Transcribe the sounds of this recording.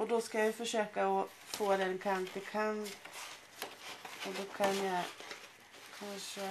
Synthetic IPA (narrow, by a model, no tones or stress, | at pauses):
ʔɔd̪ɔskajajɵfœʂøːkaɔ | foːd̪ɛnkʰant̪ɪkʰant̪ | ɔd̪ɔkʰanja | kʰanʂə